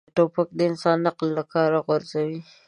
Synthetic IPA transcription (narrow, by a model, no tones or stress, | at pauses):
ʈopak̚d̪əɪnsɑnːaqlːakɑɾaɣʊɾzawi